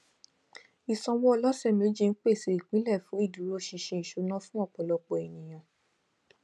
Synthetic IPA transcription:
i˨sɔ̃˧wɔ˦ɔ˧lɔ˦sɛ˦˨mĩ˧˦d͡ʒi˦˧n̩˦k͡pe˦˨se˨˦˨i˨k͡pĩ˨˦lɛ˦˨fũ˨˦i˦˨du˨˦ɾo˦ʃi˧ʃẽ˧i˨ʃo˨˧˦nã˦fũ˦ɔ˦˨k͡pɔ˨lɔ˧k͡pɔ˨e˨nĩ˨j̃ã˨

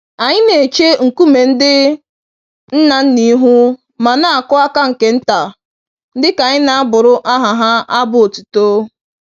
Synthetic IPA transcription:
a˨ɲɪ˦ne˨t͡ʃe˦ŋ̩˨ku˦me˨n̩˦dɪ˦ | n̩˦na˨n̩˦ni˦ɦu˦ | ma˨na˦a˨kʊ˦a˦ka˦ŋ̩˨ke˨n̩˦ta˨ | n̩˦dɪ˦ka˨ɲɪ˦na˨a˦bʊ˨ɾʊ˦ʔa˦ɦa˨ɦa˦a˦bʊ˦˨o˨tu̥˨to˦

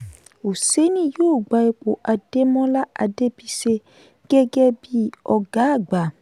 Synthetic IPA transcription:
o˨se˦nĩ˦jo˦˨ɡ͡ba˨e˨k͡po˨ʔa˨d̥e˦mɔ̃˦la˦a̰˨de˦bi˦se˦ | ɡ̥ɛ˦ɡɛ˦bi˦ɔ˨ɡa˨˦˨ɡ͡ba˨

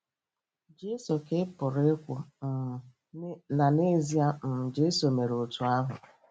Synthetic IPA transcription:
d͡ʒe˦so˨ke˦pʊ˨ɾe˦kʷʊ˨ | na˨ne˦zi˦a˦m̩˨d͡ʒe˦so˨me˨ɾʊ˨tu˨a˦ɦʊ̰˨

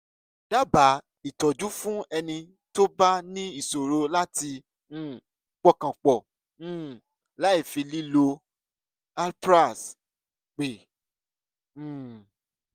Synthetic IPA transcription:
d̥a˦ba˨˦ | i˨tɔ˨d͡ʒu˦fũ˦ɛ˧nĩ˧ | to˦ba˦nĩ˦i˦˨so˨ɾo˧la˦tĩ˧˦˨ | k͡pɔ˦˨kã˨k͡pɔ̃˨˦˨ | la˨˦i˦˨fĩ˧li˦lo˧ | a˧lpɾa˦˨s | k͡pe˨˦˨

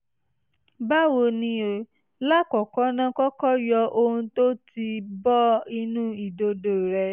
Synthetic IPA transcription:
ba˦wo˧nĩ˧o˨ | la˦kɔ˨kɔ˨˦nã˦kɔ˦kɔ˦jɔ˧ʔo˧hũ˧˦to˦ti˧bɔ˦i˧nũ˦i˨do˨˧do˨ɾɛ˨˧

